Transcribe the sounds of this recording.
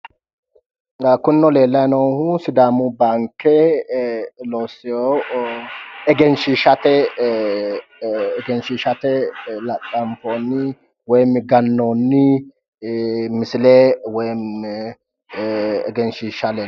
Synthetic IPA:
kʊnːɔle̞ːlːɐjnɔwhʊsɪd̪aːmubaːŋkːɛ | loːsɛjo | ɛɡɛnʃiʃɐt̪ɛ | ɛɡɛnʃiːʃɐt̪ɛlɐtʼːɐmfoːnːɪ | wɔjmɡɐnːonːɪ | mɪsɪlewɔjm | ɛ̰ɡɛnʃiːʃɐleː

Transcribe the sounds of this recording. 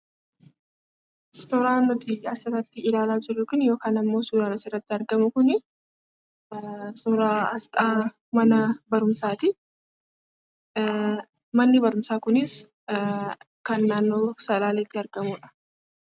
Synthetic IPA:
ssɔɾaːnːɔt̪ɪɐsɪrːɐt̪ːɪɪlaːlaːd͡ʒɪrːʊkʊnjo̞ːkaːnɐmːoːsuːɾaːɾɐsɪrːɐt̪ːɪɐɾɡɐmʊkʊnɪ | suːɾaːɐst̪ʼaːmɐnɐbɐɾʊmsaːt̪ɪ | mɐnːɪbɐɾʊmsaːkʊnɪs | kɐnːaːnːo̞ːsɐlaːleːt̪ːɪɐɾɡɐmuːᶑɐ̥

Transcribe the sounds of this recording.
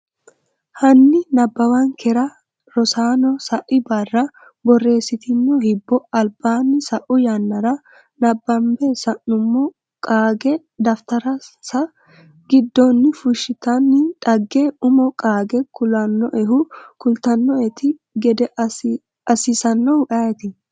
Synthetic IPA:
hɐnːɪnɐbːɐwɐŋkʰɛɾɐ | ɾɔsaːnɔsɐʔɪbɐrːɐ | bɔrːe̞ːsːɪt̪ɪnːɔhɪbːɔɐlb̥aːnːɪsɐʔʊjɐnːɐɾɐ | nɐbːɐmbɛsɐnʊmːɔ | kʼaːɡɛ | d̪ɐft̪ɐɾɐsɐ | ɡɪd̪ːoːnːɪfʊʃːɪt̪ɐnːɪᶑɐɡːeʊmɔkʼaːɡɛkʊlɐnːɔʔɛɦʊkʊlt̪ɐnːɔɛt̪ɪ | ɡɛd̪ɛ | ɐsɪsɐnːɔʊᶑɐɛt̪ɪ

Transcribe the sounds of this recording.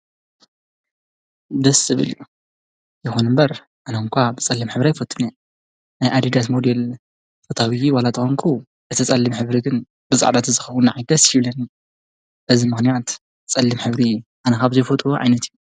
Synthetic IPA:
d̪ɐsɨβɨ̰lju | jɛxonɨmbɐɾ | ʔanɐŋkʷʰabɨt͡sʼɐlːimħɨβɾajfɐt̪ʰʼːune | najʔad̪id̪at̪mod̪el | fʰɐt̪ʰawijiwalat̪ʰʼɨxoŋkʰu | ʔɨt̪ʰɨt͡sʼɐlːimħɨβɾiɡɨn | b̥ɨsʼa̰ʕd̪at̪ɨzɨxɐwunaʕajɡɐsjiβlɐni | bɨzimɨxnijat̪ | t͡sʼɐlːɨmħɨβɾiʔanɐkaβzɐjfot̪ʼoʕa̰jnɐt̪iju

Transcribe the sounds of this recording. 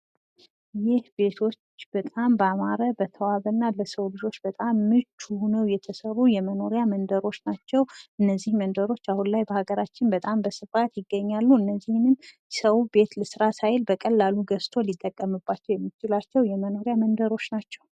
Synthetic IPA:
jɪhbe̞t̪ʰo̞t͡ʃːb̥ət̪ʼambəamaɾəbət̪ʰəwaβənːaləsəwlɨd͡ʒo̞t͡ʃːbət̪ʼamːɨt͡ʃːuhunəwjɛt̪ʰəsərujɛməno̞ɾjamənd̪əɾo̞t͡ʃːnat͡ʃːɛwʔɨnːəzːihmənd̪əɾo̞t͡ʃːahunlajbəhaɡəɾat͡ʃːɪnbət̪ʼambəsɨfat̪jɪɡːəɲːalːuɨnːəzːihnn | səwbe̞t̪ləsɨɾasajlbəkʼəlːaluɡəst̪ʰo̞lit̪ʼːəkʼːəmɨbːat͡ʃːɛwjɛmːit͡ʃɪlat͡ʃːɛwjɛməno̞ɾjamənd̪əɾo̞t͡ʃːnat͡ʃːɛw

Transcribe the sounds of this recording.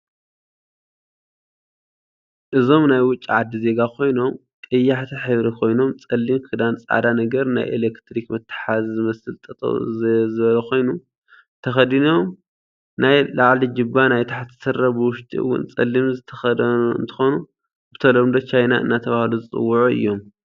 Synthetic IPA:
ʔɨzo̞mnajwʊt͡ʃʼːiʕad̪ːize̞ɡakʰo̞jno̞m | kʼɐjːaħt̪ʰiħɨβɾikʰo̞jno̞mt͡sʼɐlːimkʰɨd̪ant͡sʼa̰d̪anɐɡɐɾna̰jʔḛlekt̪ʰɾikmɐt̪ʰːɨ̥ħazzɨmɐsɨlt̪ʼɐt̪ʼo̰zɨβɐlɐkʰo̞jnu | t̪ʰɐxɐd̪inom | najlaʕlid͡ʒɪbːanajt̪ʰaħt̪zɨt̪ʰɐɾɐbɨwʊʃt̪ʼḭɨ̰wːʊ̰nt͡sʼɐ̰lːimzɨt̪ʰɐxɐd̪ɐnuɨ̰nt̪ʰɨ̥xo̞nu | b̥ɨt̪ʰɐlomd̪ot͡ʃʰajnaʔɨ̰nːat̪ʰɐβahluzɨt͡sʼɨ̰wːʊʕuɨ̰jːo̞m

